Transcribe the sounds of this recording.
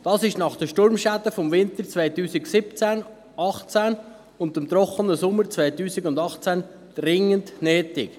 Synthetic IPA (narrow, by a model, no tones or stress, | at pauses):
d̥ɑːsɪʃnɑχd̥əʃtʊɾmʃadəfɔmvɪntəɾt͡svaɪtuːsɪɡsɪpt͡sæn | ɑχt͡sæn | ʊndɪmt̪ɾɔχənəsʊmːət͡svaɪt̪uːsɪɡʊndɑχt͡sæn | d̥ɾɪŋəndnɛːtɪk